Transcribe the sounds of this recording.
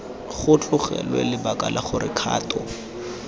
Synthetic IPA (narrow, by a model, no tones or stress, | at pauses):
χʊt͡ɬʼʊχɛ̰lwɛ̰lɪbakʼalʔaχʊrɪkʰaːtɔ